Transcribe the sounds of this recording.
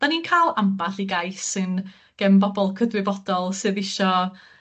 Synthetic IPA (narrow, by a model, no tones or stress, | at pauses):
d̥aniːnkʰalˠambaɬiɡajsɨn | ɡ̥ɛmbɔbɔlˠkʰəðrɪbɔdɔlˠsɨːðɪʃɔ